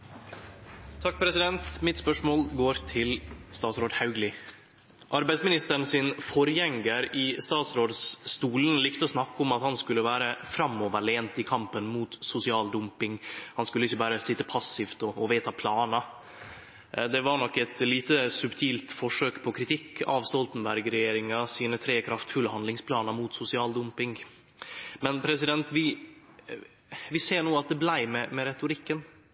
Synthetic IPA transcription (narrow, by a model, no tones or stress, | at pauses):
t̪ʰɑk̚ːpʰɾɛsɪd̪ɛnt̪mɪt̪spœʂmoːlɡoːɾt̪ʰɪlst̪ɑːt̪sɾoːd̪hɑʉɡlɪ | ʔɑɾbæɪsmɪnɪst̪əɾɳ̩sɪnfɔɾjɛŋɡəɾɪst̪ɑːt̪sɾoːd̪sːt̪uːlənlɪkt̪əɔsnɑkːɔmɑt̪hɑnskʉlːəʋæːɾəfɾɑmoːʋəɾɭeːnt̪ɪkʰɑmpənmuːt̪sʊsɪɑːld̪ʊmpɪŋhɑnskʉləɪçːəbɑːɾəsɪt̪ːəpʰɑsɪft̪ɔɔʋeːt̪ɑpʰlɑːnə | d̪ɛʋɑɾɳɔkːɛt̪liːt̪əsʉbt̪ʰiːlt̪fɔʂøːkpʰɔkʰɾɪt̪ʰɪkːɑ̰ʋst̪ɔlt̪ən̩bæɾɡɾɛjjeːɾɪŋɑsiːnət̪ʰɾeːkʰɾɑft̪fʉlhɑnd̪lɪŋspʰlɑːnəmuːt̪sʊsɪɑːld̪ʊmpɪŋ | mɛnpʰɾɛsɪd̪ɛnt̪ʋɪ | ʋɪseːɳuːɑt̪̚d̪ɛblæɪmɛmɛɾɛt̪ʊɾɪkːən